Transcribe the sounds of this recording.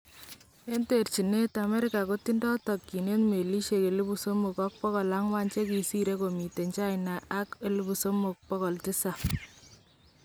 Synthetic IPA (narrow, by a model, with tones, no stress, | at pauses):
e˦nte˨rt͡ʃi˨ne˦ta˨me˦ɾɪka˨koti˦ndɔ˦tɔ˨kːi˨ne˦tme˨li˦ʃe˨ke˨lu˦bu˨so˦mu˨kɔ˦k̚pɔ˦kɔ˨la˦ŋwa˦nt͡ʃe˦ki˨si˦ɾe˦ko˨mi˨te˨ɲt͡ʃa˦jna˨ʔa˦ke˨lu˦bu˨so˦mu˨k̚pɔ˦kɔ˨lti˦sa˨